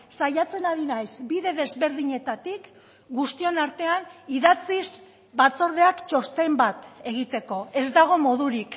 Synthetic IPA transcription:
sajat͡se̞naðinajzbiðe̞ðe̞zβe̞ɾð̞iɲe̞t̪at̪ik | ɡust̪io̞naɾt̪e̞aniðat͡siz | bat͡so̞ɾð̞e̞akt͡ʃo̞st̪e̞mbat̪e̞ɣ̞it̪e̞ko̞e̞zd̪aɣ̞o̞mo̞ðuɾik

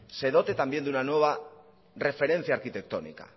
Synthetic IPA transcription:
se̞ðo̞t̪e̞t̪ambje̞nd̪unanwe̞β̞a | re̞fe̞ɾe̞nθiaːɾkit̪e̞k̚t̪o̞nḭka̰

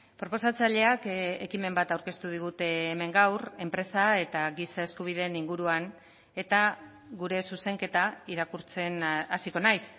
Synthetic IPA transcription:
pɾo̞po̞sat͡saʎe̞akekime̞mbat̪awɾke̞st̪uð̞iɣ̞ut̪e̞ːme̞ŋɡawre̞mpɾe̞sae̞t̪aɣisae̞skuβ̞ið̞e̞niŋɡuɾuan | e̞t̪a | ɣuɾe̞suse̞ŋke̞t̪aiɾakuɾt͡se̞nasiko̞najs

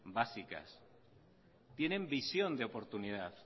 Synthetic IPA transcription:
basika̰s | t̪je̞nẽ̞mbisjo̞nd̪eopo̞ɾt̪uniðaθ

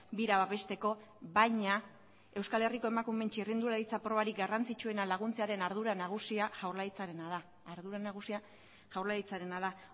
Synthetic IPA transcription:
biɾaβaβe̞st̪e̞ko̞ | βajɲa | e̞wskale̞riko̞e̞makume̞nt͡ʃirind̪uɾaɾit͡sapɾo̞βaɾiɡarant͡sit͡ʃue̞nalaɣ̞unt͡se̞aɾe̞naɾðuɾanaɣ̞usiaʝawɾlait͡saɾe̞naðaː | ɾðuɾanaɣ̞usia | ʝawɾlait͡saɾe̞naða

